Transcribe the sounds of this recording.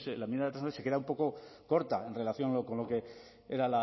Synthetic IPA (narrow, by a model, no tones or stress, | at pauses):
slamiaðet̪ɾasnoese̞ke̞ðaumpo̞ko̞ko̞ɾt̪ae̞nre̞laθjo̞nloko̞nlo̞ke̞ | eɾala